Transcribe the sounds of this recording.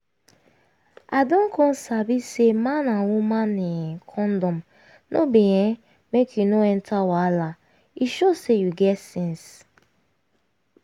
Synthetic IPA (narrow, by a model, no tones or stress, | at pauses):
adɔ̃nkʰɔ̃nsabisemãnãwumãnẽkʰɔ̃ndɔ̃m | nʔobejɛ̃ | mekʰjunoɛntʰawala | iʃosejuɡɛtsɛ̃ns